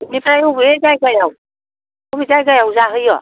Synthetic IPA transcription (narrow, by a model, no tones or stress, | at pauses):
inipɾajɔbiɾezajɡajaw | ɔbizajɡajawzaɦɯjɔ